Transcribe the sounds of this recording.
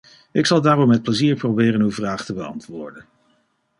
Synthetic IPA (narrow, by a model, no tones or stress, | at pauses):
ɪksɑlˠdaːrɔmːɛt̚pləziːɹprowbɪːrənywvraːχtəbəɑ̰ntʋʊːɹdən